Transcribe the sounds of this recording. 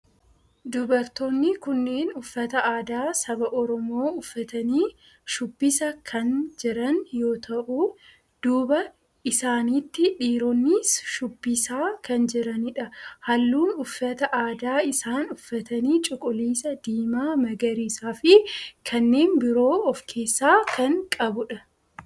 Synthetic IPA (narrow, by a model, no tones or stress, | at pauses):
d̪ʊbɐɾt̪onːɪkʊnːeːnʊfːɐt̪ɐaːd̪aːsɐbɐʔɔɾɔmo̞ːʊfːɐt̪ɐniː | ʃʊbːɪsɐkʰɐnd͡ʒɪɾɐnjo̞ːt̪ʰɐʔʊ | d̪̥uːbɐ | ʔɪsaːniːt̪ːɪᶑiːɾɔnːisʃʊbːɪsaːkʰɐnd͡ʒɪɾɐnɪᶑɐhɐlːuːnʊfːɐt̪ɐʔaːd̪aːɪsaːnʊfːɐt̪ɐniːt͡ʃʼʊkʼʊliːsɐd̪̥iːmaːmɐɡɐɾiːsaːfɪkʰɐnːeːnbɪɾo̞ːɔfkʰe̞ːsːaːkɐŋkʼɐbʊᶑɐ